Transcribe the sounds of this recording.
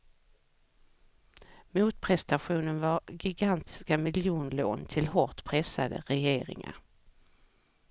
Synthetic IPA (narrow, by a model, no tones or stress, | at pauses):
muːt̪pʰɾɛst̪aɧuːnənvaɾɡɪɡant̪ʰɪ̥skamɪljuːnlo̰ːnt̪ʰɪlhɔʈ̪pʰɾɛsad̪ə̰ɾɛjeːɾɪ̰ŋa̰ɾ